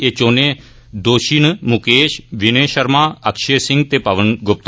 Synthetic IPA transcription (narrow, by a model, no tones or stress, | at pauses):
eːt͡ʃoːneː | d̪oːʃiːnmʊkeːʃʋɪneːʃəɾmaːəkʃeːsɪ̃ŋɡt̪eːpəʋənɡʊp̚t̪